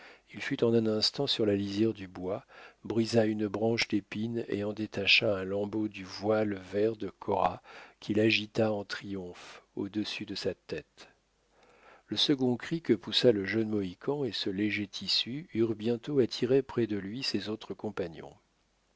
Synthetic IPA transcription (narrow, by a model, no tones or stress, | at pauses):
ilfyt̪ɑ̃nɛ̃nɛ̃st̪ɑ̃syʁlalizjɛʁd̪ybwabʁizaynbʁɑ̃ʃd̪epinḛɑ̃d̪et̪aʃaɛ̃lɑ̃bod̪yvwalvɛʁd̪əkʰɔʁakʲʰilaʒit̪aɑ̃t̪χijɔ̃fod̪əsyd̪əsat̪ɛt̪ | ləsəɡɔ̃kχikəpusaləʒənmɔikʰɑ̃esəleʒet̪ʰisyyʁbjɛ̃t̪oat̪ʰiʁepχɛd̪əlɥisezot̪χəkɔ̃paɲjɔ̰̃